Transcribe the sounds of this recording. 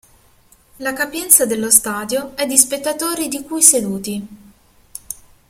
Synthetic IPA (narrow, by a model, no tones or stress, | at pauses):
lakapjɛnt̪sad̪elːost̪aːd̪joɛd̪ːispet̪ːat̪oːɾid̪ikujsed̪uːt̪i